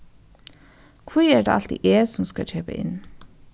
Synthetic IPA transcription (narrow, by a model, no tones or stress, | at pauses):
kʰʋuæːɖḛːɑlt̪ḭːʔeːsɔmskɑc͡çʰøːpə̰ʔɪ̰n